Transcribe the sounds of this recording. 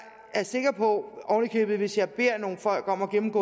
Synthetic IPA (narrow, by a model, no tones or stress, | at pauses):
æɐse̝ɡ̥ɐpʰɒ̽ɒʊnəkʰøːb̥ð̩ˠʋe̝sjɑ̈ɪb̥e̝ɐ̰no̝ːn̩fɒ̽l̰ɡ̥ɒ̽m̰ɒ̽ɡ̥emm̩ɡ̥ɔ̰ː